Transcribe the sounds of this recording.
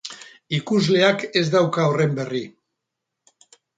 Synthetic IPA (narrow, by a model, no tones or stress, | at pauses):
ikuzle̞ake̞zd̪awkaore̞mbe̞ri